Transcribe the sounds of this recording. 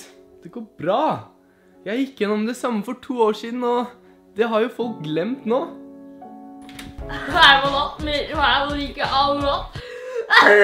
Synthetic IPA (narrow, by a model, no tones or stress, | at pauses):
d̪̥ɛɡoːɾbɾɑː | jæɪjɪkːjɛnːɔmd̪ɛsɑmːəfɔʈʰuːoːʂiːd̪n̩ɔ | d̪ɛɦɑɾjʊfɔlk̚ɡlɛmt̪noː | æmɔnɔt̪mɛænliːkəʔɑlnɔt̪